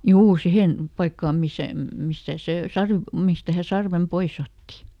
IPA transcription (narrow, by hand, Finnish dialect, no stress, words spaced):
juː sihen pɑikːɑːm misæ mistæ se sɑrʋ mistæ hæ sɑrʋem pois otːi